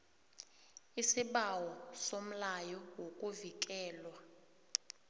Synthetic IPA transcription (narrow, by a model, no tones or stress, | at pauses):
isiɓawɔsom̩lajɔwokʼuvikʼɛːlwa